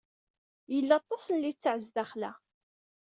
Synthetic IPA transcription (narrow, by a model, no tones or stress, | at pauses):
jəlːɑt̪ˤːɑsənlit͡sːʕəzðæχlæ